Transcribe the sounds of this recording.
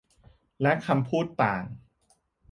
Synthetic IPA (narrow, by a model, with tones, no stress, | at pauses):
lɛ˦˥kʰa˧mpʰuː˥˩t̪̚ːaː˨˩ŋ